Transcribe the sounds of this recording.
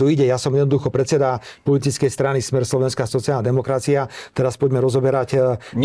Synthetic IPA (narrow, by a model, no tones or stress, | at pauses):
uiɟɛjasɔmjɛd̪nɔd̪uxɔpɾɛt̪t͡sɛd̪apɔlit̪it͡skɛjst̪ɾanismɛɾslɔʋɛnskaːsɔt͡sialnad̪ɛmɔkɾat͡siat̪ɛɾaspɔɟmɛɾɔzɔbɛɾac